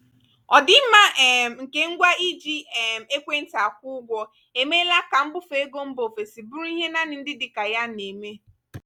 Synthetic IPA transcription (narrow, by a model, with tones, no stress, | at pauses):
ɔ˨dɪ˦ma˦˨ŋ̩˨ke˦ŋ̩˦ɡʷa˦i˦d͡ʒi˦ɛ˨m̩˨e˦kʷe˦n̩˦ta˨a˨k̚ʷʊ˦ɡʷɔ˦ | e˨me˦la˦ka˨m̩˦bʊ˦fe˨e˦ɡo˦m̩˦bo˨fe˨si˨bu˦ɾu˦i˦ɦe˦na˦nɪ˨n̩˦dɪ˦dɪ˨ka˨ja˦ne˨me˦